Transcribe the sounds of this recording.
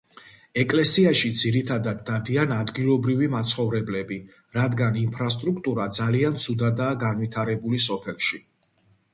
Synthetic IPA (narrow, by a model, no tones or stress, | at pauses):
ɛkʼlɛsiaʃid̪ziɾit̪ʰad̪ad̪ːad̪ianad̪ɡilˠɔbɾivimat̪sʰχɔvɾɛblɛbi | ɾad̪ɡanimpʰɾast̪ʼɾukʰt̪ʼuɾad̪zaliant̪sʰud̪ad̪aːɡanvit̪ʰaɾɛbulisɔpʰɛlˠʃi